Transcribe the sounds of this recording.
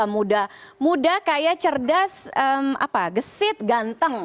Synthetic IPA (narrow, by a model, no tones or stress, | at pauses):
amudahmudahkajat͡ʃərdasəma̰paɡəsɪt̪̚ɡant̪əŋ